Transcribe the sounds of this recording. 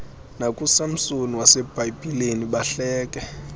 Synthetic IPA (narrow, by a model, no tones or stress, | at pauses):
nakʼusam̩soniwasɛb̥ʱajipʼileniɓaɬɛːkʼɛ